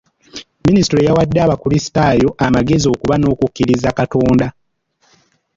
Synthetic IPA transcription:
minisitɾojawadːeaːβakuɾisi̥tajo̞ʔamaɡe̞zio̞kuβano̞ːkukːiɾizakato̞ːnda

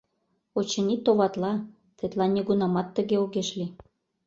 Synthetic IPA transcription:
ot͡ɕə̆nit̪oβɑt̪lɑ | t̪et̪lɑnʲeɣunɑmɑt̪ːə̆ɣeoɣeʃli

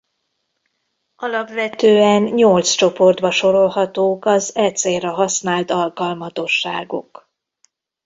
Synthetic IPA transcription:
ɒlɒpʋɛt̪øːɛnɲolt̪st͡ʃo̞po̞rd̪bɒʃo̞ɾo̞lɦɒt̪oːkɒzɛt̪seːrɛɦɒsnaːlt̪ɒlkɒlmɒt̪o̞ʃːaːɡo̰k

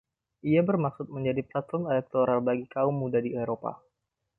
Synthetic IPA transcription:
ʔiabərmaksʊt̪̚məɲd͡ʒadiplat̪ɔnalɛk̚t̪oɾalbaɡikaʊmːudadiaɾopa̰

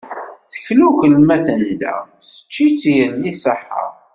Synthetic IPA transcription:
θə̥çluçəlmæθənd̪æ̰sə̥t͡ʃːit͡sːjənːisəħːə̰ɾˤ

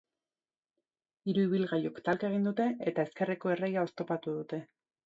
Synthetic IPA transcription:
iɾuiβ̞ilɣajokt̪alkaeɣ̞ind̪ut̪e̞e̞t̪ae̞ske̞reko̞e̞re̞jao̞st̪o̞pat̪uðut̪e̞

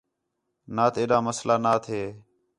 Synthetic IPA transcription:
naːt̪eːɗaːməslaːnaːt̪ʰeː

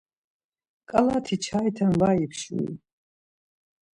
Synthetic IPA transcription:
kʼalaːt̪ʰit͡ʃʰaːjt̪ʰamvaːipʰʃṵḭ

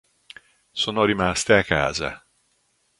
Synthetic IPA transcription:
soːnoɾimast̪eakːa̰ːza̰

